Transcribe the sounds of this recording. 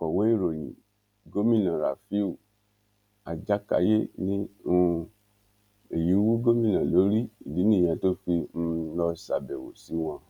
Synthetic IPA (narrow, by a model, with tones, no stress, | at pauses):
fɔ˨wo˦i˦˨ɾo˨jḭ̃˨ | ɡo˦mĩ˦˨nã˨ɾa̰˨fi˦u˨ | a˨d͡ʒa˦ka̰˧˦je˦nĩ˦u˧ | e˨ji˨˦wu˦ɡo˦mĩ˦˨nã˨lo˨˦ɾi˦i˨li˨˦nĩ˦˨j̃ã˧to˦fi˧n̩˧lɔ˧˦sa˧˨bɛ˨wo̰˨si˨˦w̃ã˧